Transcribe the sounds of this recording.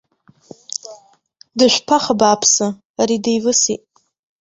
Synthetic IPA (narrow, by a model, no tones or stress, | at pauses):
dɨʃʷpʰaχabaːpʰsɨ | aɾidejvɨsitʼ